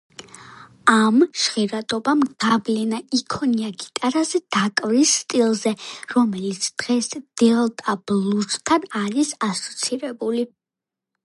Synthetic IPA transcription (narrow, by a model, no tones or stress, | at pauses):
amʃχiɾat̪ʼɔbamɡ̥ablɛnaikʰɔniaɡit̪ʼaɾazɛd̪akʼvɾisːt̪ʼilˠzɛɾɔmɛlit̪sʰd̪̥ʁɛsd̪̥ɛlˠt̪ʼab̥lˠust̪ʰːanaɾisasɔ̥t̪sʰiɾɛbuli